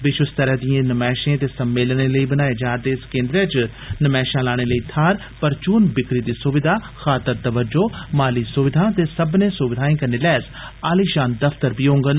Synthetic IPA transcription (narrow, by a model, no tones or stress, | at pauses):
bɪʃʊst̪əɾəɦd̪iãːnəmɛːʃẽːt̪eːsəmːeːlneːləiːbənaːeːd͡ʒaːɾd̪eːskẽːnd̪ɾeːt͡ʃ | nəmɛːʃãːlaːɽ̃eːləiːt̪ʰaːɾ | pəɾt͡ʃuːnbɪkɾiːd̪iːsʊʋɪd̪ʱaː | xaːt̪əɾt̪əʋəɾd͡ʒoːmaːliːsʊʋɪd̪ʱãːt̪eːsəbnẽːsʊʋɪd̪ʱaːẽːkəɾneːlɛːs | aːliːʃaːnd̪əpʰt̪əɾbiːɦõːŋɡən